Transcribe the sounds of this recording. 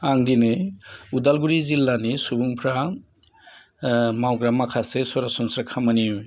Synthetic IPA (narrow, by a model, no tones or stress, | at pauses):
aŋdineudalɡuɾizilːanisubuŋpʰɾa | mawɡɾamakʰasesɔɾasɔnsɾakʰamaniuj